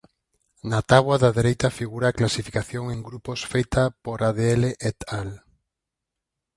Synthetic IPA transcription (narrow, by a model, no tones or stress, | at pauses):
nat̪aβwaðɐðeɾejt̪ɐfiɣuɾaːklasifikaθjoŋeŋɡɾuposfejt̪ɐpoɾaðeɛleʔɛt̪al